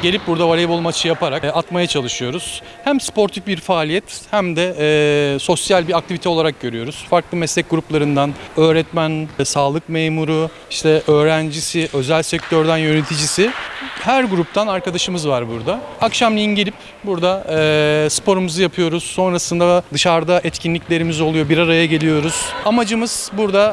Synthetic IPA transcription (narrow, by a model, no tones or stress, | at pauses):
ɟe̞lʲip̚buɾd̪avalʲebolˠmat͡ʃʰɯjapaɾakat̪majat͡ʃʰalˠɯʃɯjo̞ɾuz̥ | hæmspo̞ɾt̪ʰifbiɾfaːlʲijɛt̪hæmd̪ɛ | so̞sjalʲbiɾak̚t̪ʰivit̪ʰɛo̞lˠaɾak̚ɟø̞ɾyjo̞ɾuz̥faɾklˠɯmɛslʲɛc̚ɡuɾuplˠaɾɯnd̪anø̞ːɾɛt̪mænsaːlˠɯkmejmuɾu | iʃt̪ʰɛʔøːɾænd͡ʒisiʔø̞zælʲsɛc̚t̪ʰøɾd̪ænjø̞net̪ʰid͡ʒisɪhæɾɡuɾup̚t̪ʰanaɾkad̪aʃɯmɯzvaɾbuɾd̪aːkʃamlʲˠijinɟelʲip | buɾd̪aɛːspo̞ɾumuzɯjapʰɯjo̞ɾuz̥so̞nɾasɯnd̪ad̪ɯʃaɾd̪aʔɛt̪cʰinlʲicʲlʲe̞ɾimizo̞lˠujo̞biɾaɾajaɟe̞lʲijo̞ɾuz̥amad͡ʒɯmɯz̥buɾd̪a